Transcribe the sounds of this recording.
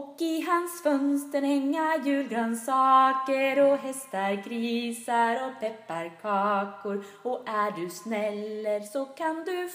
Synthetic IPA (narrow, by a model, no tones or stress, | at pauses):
ɔkɪɦansfœnst̪əɾɛŋːajʉ̟ːlɡɾansɑːkəɾɔɦɛst̪aɾɡɾisaɾɔpʰɛpːaɾkʰɑːkʊɾ | ɔæɖɵsnɛlːəɾsɔkʰand̪ɵ